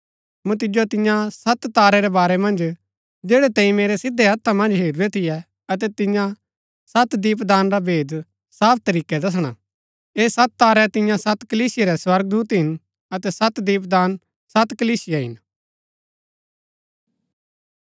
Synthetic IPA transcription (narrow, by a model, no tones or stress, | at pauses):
mũt̪ɪd͡ʒot̪ɪ̃jãsɐt̪t̪aːɾɛɾɛbaːɾɛmɐ̃nd͡ʒ | d͡ʒeːɽɛt̪ɛ̃ːĩmeːɾɛsɪd̪ʱɛɦɐt̪ʰːamɐ̃nd͡ʒɦeːɾuɾɛt̪ʰɪjɛ | ɐt̪̬ɛt̪ɪ̃jã | sɐt̪d̪iːp̬d̪aːnɾabʱeːd̪ | saːp̚ʰt̪ɐɾiːkɛd̪ɐs̬ɽ̃a̰ | eːsɐt̪̚t̪aːɾɛt̪ɪ̃jãsɐt̪kɐliːsɪjɛɾɛswɐɾɡ̚d̪uːt̪ɦɪn | ɐt̪ɛsɐt̪d̪iːp̬d̪aːn | sɐt̪kɐliːsɪjaɦɪ̰n